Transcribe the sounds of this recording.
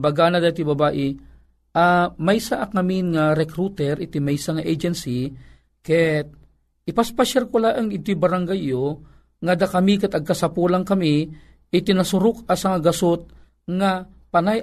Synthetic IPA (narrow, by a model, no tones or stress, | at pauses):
bɐɡanad̪at̪ibɐbaːʔɪ | ʔamajsaʔakaminŋaɾɛkɾut̪ɛɾʔɪt̪imajsaŋaʔejd͡ʒɛnsi | kɛt̪̚ | ʔɪpaspaʃɛrkʊlaʔaŋɪd̪ʊjbaɾaŋɡajo | ŋad̪akɐmikat̪ɐɡ̚kasapulaŋkɐmi | ɪt̪ɪnasʊɾʊkasaŋaɡɐsot̪̚ | ŋa | panaj